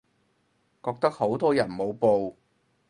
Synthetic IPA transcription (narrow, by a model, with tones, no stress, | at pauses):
kɔː˧k̚t̪ɐ˥k̚ho˨˥wt̪ɔː˥jɐ˨˩nmo˨˧wpo˨˧w